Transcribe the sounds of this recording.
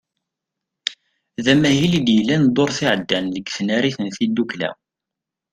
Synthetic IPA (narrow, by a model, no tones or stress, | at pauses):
ðæmæhilid̪jlːænd̪ˤoɾˤθiʕəd̪ːænləɡθnæɾiθənθid̪ːuklæ̰